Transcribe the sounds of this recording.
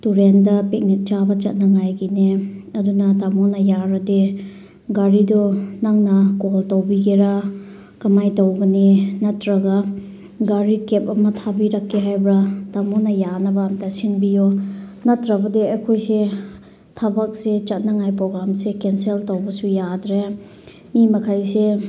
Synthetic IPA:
tuɾendɐpek̚nit̚t͡ʃabɐt͡ʃɐt̚nɐŋajɡineɐdunɐtamɔnɐjaɾɐde | ɡaɾidɔnaŋnɐkoltowbiɡeɾa | kɐmajtowɡɐnenɐtɾɐɡa | ɡaɾikep̚ɐmɐtʰabiɾɐkʰːeɦajbɾatamɔnɐjanɐbaːmtasinbijɔnɐtɾɐbɐdeɐjkʰojse | tʰabak̚set͡ʃat̚naŋajpɾoɡɾamsekenseltowbɐsujadɾe | mimɐkʰajse

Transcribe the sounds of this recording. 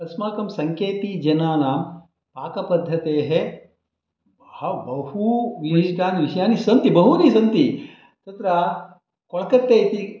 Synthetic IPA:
ɐsmaːkɐmsɐŋkʰeːt̪id͡ʒɐnaːnaːm | paːkɐpɐd̪ʱːɐt̪eːɦe | hɐbɐhuʋiʃʈ̪aːniʋiʃjaːnisɐnt̪ibɐɦunisɐnt̪i | t̪ɐt̪ɾɐ | kɔɭɐkɐt̪ːeːt̪i

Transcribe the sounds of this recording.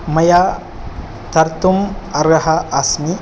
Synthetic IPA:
mɐja | t̪ɐɾt̪umɐɾɡɐɦɐʔasni

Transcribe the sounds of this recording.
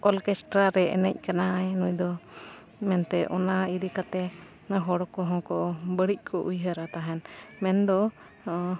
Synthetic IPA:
ʔɔlkɛsʈɾaɾɛʔɛ̰nɛc̚kananujd̪ɔ | mɛnt̪ɛʔɔnaiɾikat̪ɛ | ɦɔɽɔkɔɦɔ̃kɔbəɽic̚ˀkʰɔʔujɦəɾat̪aɦɛnmɛnd̪ɔ

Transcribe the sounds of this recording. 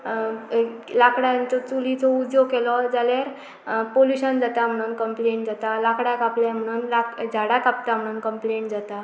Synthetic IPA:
lakɽãt͡sɔt͡sulit͡sɔud̪jɔkelɔd͡zaljaɾ | poljuɕənd͡zat̪am̤əɽ̃unkəmpleɳʈ̚d͡zat̪alakɽakapljãm̤əɽ̃unlakd͡zʱaɽakap̚t̪am̤əɽ̃uːnkəmpleɳʈd͡zat̪a

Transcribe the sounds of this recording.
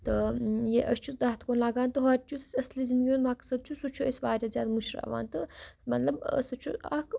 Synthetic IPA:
t̪ɨjeʔɐst͡ʃʰud̪ɐɦt̪ʰkoːnlaːɡaːnt̪ɨɦɐɾʲt͡ʃʰusɐslizind̪ɡʲjoːnmɐksɐd̪̚t͡ʃʰusut͡ʃʰuɐsʲʋaːɾʲaːzʲaːd̪muʃɾa̰ːʋa̰ːnt̪ɨmɐt̪lɐb̰sɐt͡ʃʰuɐ̰k

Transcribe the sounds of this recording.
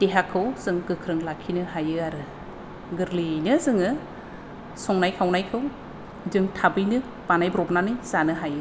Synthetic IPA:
d̥eɦakʰɯwz̥ɯŋɡɯkʰɾɯŋlakʰinɯɦajɯaɾɯ | ɡɯɾlinɯzɯŋɯ | sɔŋnajkʰawnajkʰɯw | zɯŋtʰabɯjnɯ | b̥anajbɾɔp̚nanɯjzanɯɦajɯ

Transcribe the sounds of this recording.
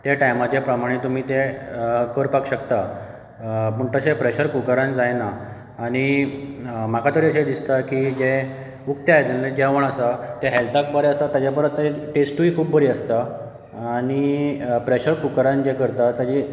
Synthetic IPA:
t̪jaʈajmat͡ɕepɾəmaɽ̃et̪um̤iːt̪ekəɾpakɕəkt̪a | pəɳt̪əsepɾeɕəɾkukəɾãnd͡zajnaː | ɽ̃i | makat̪əɾiəɕed̪ist̪akid͡ʑe | uk̚t̪jaet̪ened͡ʑaʋəɳ̃asat̪eɦelt̪ak̚bəɾeəst̪at̪ːjad͡ʑapəɾət̪ːaiʈesʈuikʰuːpbəɾiəst̪aː | ɽ̃ipɾeɕəɾkukəɾãnd͡ʑekəɾt̪at̪jad͡ʑi

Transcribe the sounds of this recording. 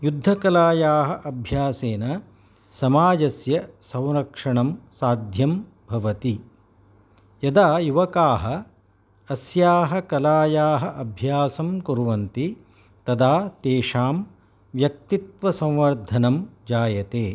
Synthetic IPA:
jud̪ʱːɐkɐlaːjaːɦɐ̆ʔɐbʱjaːseːnɐ | sɐmaːd͡ʒɐsjɐsɐwɾɐkʂɐɳɐmsaːd̪ʱjɐm | bʱɐʋɐt̪i | jɐd̪aːjuʋɐkaːɦɐ | ɐsjaːɦɐkɐlaːjaːɦɐʔɐbʱjaːsɐmkuɾuʋɐnt̪i | t̪ɐd̪aːt̪eːʂaːm | ʋjɐk̚t̪it̪ʋɐsɐ̃wʋɐɾd̪ʱɐnɐmd͡ʒaːjɐt̪eː

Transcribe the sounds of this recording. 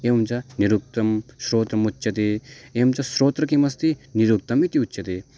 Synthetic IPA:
eɐmt͡ʃɐniɾuk̚t̪ɐmʃɾoːt̪ɾɐmutːʃɐt̪ieːmt͡ʃɐsɾoːt̪ɾɐkimɐst̪iniɾuk̚t̪ɐmit̪iutːt͡ʃʰːɐt̪i

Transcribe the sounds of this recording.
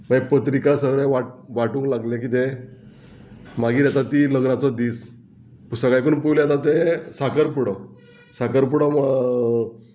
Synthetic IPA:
mapət̪ɾikasəɡɭɛʋaʈ̚ʋaʈũŋklaɡlẽkit̪e | maɡiːɾat̪at̪iləɡnat͡sɔd̪iːs | pusəkajk̬uɳpujljat̪at̪esakəɾpuɽɔ | sakəɾp̬uɽɔ

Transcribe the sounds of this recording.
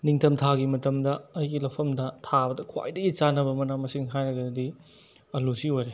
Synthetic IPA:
niŋtʰɐmtʰaɡimɐtɐmdɐːjɡilɐpʰɐmdɐtʰabɐdɐkʰwa̰jdɐɡit͡ʃanɐbɐmɐnamɐsiŋɦajɾɐɡɐdɐdi | ɐlusiojɾe

